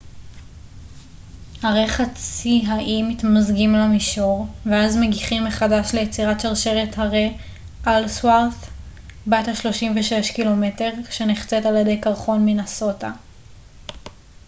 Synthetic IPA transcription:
haʁeχat͡siɦaʔimitmazɡimlamiʃoʁveazmeɡiχimːeχadaʃle̞jet͡siʁatʃaʁʃeʁethaʁe | ʔalswaʁθ | bajthaʃlo̞ʃimveʃeʃkilo̞me̞te̞ʁʃeniχt͡setaljede̞jkaʁχo̞nminaso̞ta

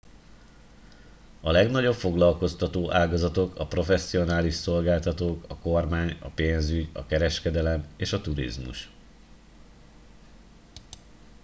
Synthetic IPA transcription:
ɒlɛɡnɒɟo̞pfo̞ɡlɒlko̞st̪ɒt̪oːʔaːɡɒzɒt̪o̞kɒpro̞fɛsːio̞naːliʃso̞lɡaːlt̪ɒt̪oːkɒko̞rmaːɲɒ̰peːnzyɟɒ̰kɛɾɛʃkɛd̪ɛlɛmeːʃɒt̪uɾḭzmṵʃ

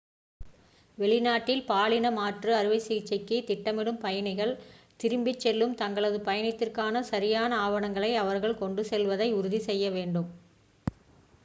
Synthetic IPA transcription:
ʋɛɭɪnaːʈːɪlpaːɭɪnɐmaːʈrɯɐɾɯʋɐɪsiːt͡ʃːɐkːit̪ɪʈːɐmɪɽɯmpɐjɐnɪɣɐɭt̪ɪɾɯmbɪt͡ʃːɛlːɯmt̪ɐŋɡɐɭɐðɯpɐjɐnɪt̪ːɪrkaːnɐsɐɾɪjaːnɐaːʋɐɳɐŋɡɐɭɐɪɐʋɐɾɣɐɭkɔɳɖɯsɛlʋɐðɐɪʊɾʊðisɛjːɐʋeːɳɖɯm

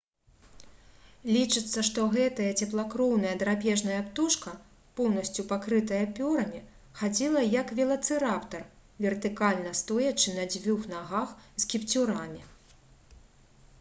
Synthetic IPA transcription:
lʲit͡ʂɨt̪sːɐʂt̪ɔɣɛt̪ɐjɐt͡sʲɛplˠakɾɔwn̪ɐjɐd̪ɾapʲɛʐnɐjɐpt̪uʂkɐ | pɔwnɐsʲt͡sʲupakɾɨt̪ɐjɐpʲɔɾɐmʲi | xad͡zʲilˠɐjɐkvʲɛlˠɐt̪sɨɾapt̪ɐr | vʲɛrt̪ɨkalʲnɐst̪ɔjɐt͡ʂɨnɐd͡zʲvʲuxnaɣaxskʲipt͡sʲuɾamʲi

